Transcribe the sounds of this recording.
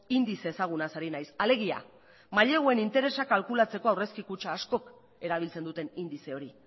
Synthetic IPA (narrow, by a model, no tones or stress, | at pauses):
ind̪ise̞ːsaɣ̞unasaɾinajsale̞ɣ̞ia̰ | maʎe̞ɣoe̞nint̪e̞ɾe̞sakalkulat͡se̞ko̞awre̞skikut͡ʃaːsko̞k | e̞ɾaβ̞ilt͡se̞nd̪ut̪e̞nind̪ise̞o̞ɾi